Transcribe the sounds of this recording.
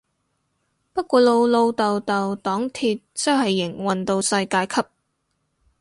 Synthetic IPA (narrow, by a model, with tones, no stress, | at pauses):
pɐ˥t̚kʷɔː˨˧lo˧wlo˧wt̪ɐ˨wt̪ɐ˨wt̪ɔː˨˥ŋt̪ʰiː˧t̚t͡sɐ˥whɐ˨jːɪ˨˩ŋwɐ˨nt̪o˧wsɐ˧jkaː˧jkʰɐ˥p̚